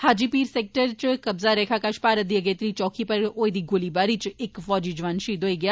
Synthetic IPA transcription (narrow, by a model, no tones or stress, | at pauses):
haːd͡ʒiːpiːɾsɛːk̚ʈəɾt͡ʃkəbzaːɾɛːkʰaːkaːʃpaːɾət̪̚d̪iːəɡeːt̪ɾiːt͡ʃɔːkʰiːpəɾoːed̪iːɡʊliːbaːɾiːt͡ʃɪkfɔːd͡ʒiːd͡ʒʋaːnʃiːd̪ɦoːiːɡɪjaː